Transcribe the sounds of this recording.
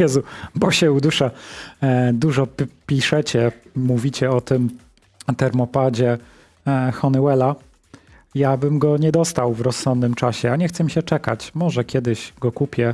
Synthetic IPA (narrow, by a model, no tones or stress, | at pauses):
jɛzubɔɕɛud̪uʂa | d̪uʐɔpʲiʂɛt͡ɕɛːuvʲit͡ɕɛɔt̪ɘm | t̪ɛɾmɔpad͡ʑɛ | xɔnɛwɛla | jabɘmɡɔɲɛd̪ɔst̪awvɾɔssɔnd̪nɘmt͡ʂaɕɛaɲɛxt̪sɛmʲiɕɛt͡ʂɛkat͡ɕmɔʐɛkʲɛd̪ɘɕɡɔkupʲjɛ